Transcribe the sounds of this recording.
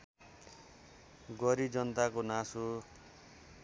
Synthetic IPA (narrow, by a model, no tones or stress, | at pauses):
ɡʌɾid͡zʌnt̪akonasu